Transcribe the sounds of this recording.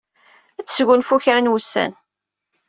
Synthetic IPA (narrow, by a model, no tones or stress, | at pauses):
æt͡sːsʝʊnfuçɾənwusːæ̰n